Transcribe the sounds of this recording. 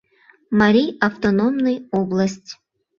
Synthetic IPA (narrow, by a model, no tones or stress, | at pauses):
maɾʲijaft̪onomnɨjoblˠəsʲtʲ